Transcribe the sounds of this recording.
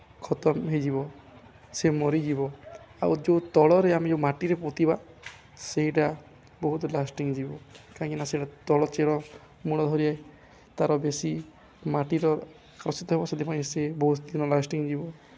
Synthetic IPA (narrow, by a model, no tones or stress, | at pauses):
kʰɔt̪ɔmɦed͡ʒibɔ | semɔɾid͡ʒibɔa̰wd͡ʒot̪ɔɭɔɾeamed͡ʒemaʈiɾepot̪iba | seɦiʈa | bɔɦut̪lasʈiŋd͡ʒibɔkaĩkinaseiʈat̪ɔɭɔt͡ʃeɾɔ | muɽ̃ɔd̪ʱɔɾiae | t̪aɾɔbesi | maʈiɾɔ | kɾɔsit̪ɔɦebɔsed̪ʰipaĩsebɔɦut̪d̪inɔlasʈiŋd͡ʒibɔ